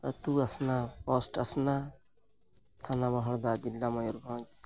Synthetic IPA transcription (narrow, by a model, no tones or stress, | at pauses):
ɐt̪uɐsnapɔsʈɐsna | t̪ʰanamɔɦɔɽd̪ad͡ʒilːamɔjuɾbʱɔ